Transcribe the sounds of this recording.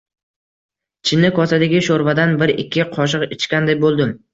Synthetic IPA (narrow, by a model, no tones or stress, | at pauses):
t͡ʃʰɪnːɪkʰɒsad̪aɡʲɪʃoɾvad̪anbɪɾɪkʲʰːɪqʰɒʃ̬ɨqɪt͡ʃkʲand̪ajbolˠd̪ɪm